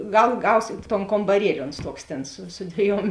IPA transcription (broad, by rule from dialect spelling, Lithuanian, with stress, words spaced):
ˈɡɐlˠ ˈɡɐʊsʲeːt toːn koːmbɐˈrʲiɛlʲɪ ˈoːns ˈtoːks ˈtʲeːn sʊ sʊ ˈdʲʋʲiɛˌjuɔm